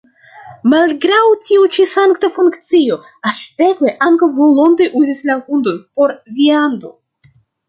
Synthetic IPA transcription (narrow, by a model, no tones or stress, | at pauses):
malɡɾawtʰiut͡ʃisaŋkt̪afuŋkt͡sio̞ | aste̞kweʔaŋkawmolmo̞nd̪eʔuzislakund̪o̞npo̞ɾviand̪o̞